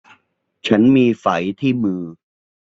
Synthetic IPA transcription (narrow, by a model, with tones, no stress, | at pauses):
t͡ɕʰa˦˥nmiː˧fa˩˦jt̪ʰiː˥˩mɯː˧